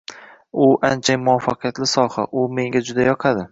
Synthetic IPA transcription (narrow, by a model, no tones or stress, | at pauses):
ʊʔant͡ʃʰamʊwɒfːɑqʰɨjat̪lɪsɒha̰ʔʊme̞ŋɡʲad͡ʒʊd̪ajɒqʰɑd̪ɪ